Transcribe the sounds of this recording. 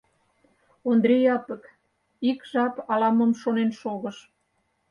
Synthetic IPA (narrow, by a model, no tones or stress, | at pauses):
ond̪ɾejɑpə̆k | ikʒɑpɑlɑməmʃonenʃoɣəʃ